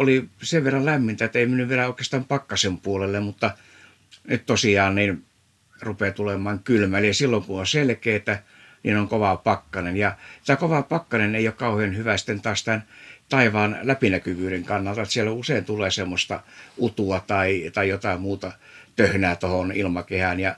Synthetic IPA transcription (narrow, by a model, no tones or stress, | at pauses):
oliseʋʋerːɑllæmːint̪æet̪ːeimenːyʋʋielæoˑikest̪ɑmpɑkːɑsempuolelːemmut̪ːɑ | nytt̪osiɑːnnin | rupeːt̪ulemɑːŋkylmæliɑsilːoŋkunonselkeːt̪æ | nḭnoŋkoʋɑpɑkːɑnenjɑt̪ækoʋɑpɑkːɑneneijokkɑuhenhyʋæsi̥t̪ːent̪ɑːst̪ænt̪ɑiʋɑːnlæpinækyʋyːɾeŋkɑnːɑlt̪ɑet̪sielːouseint̪ulˑeːsemːost̪ɑ̰ut̪uɑt̪ɑit̪ɑijot̪ɑimmuːt̪ɑ | t̪øhnæːt̪ohonilmɑkehænjɑ